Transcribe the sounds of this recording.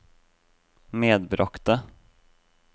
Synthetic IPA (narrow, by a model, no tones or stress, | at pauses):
meːd̪bɾʔɔkt̪ə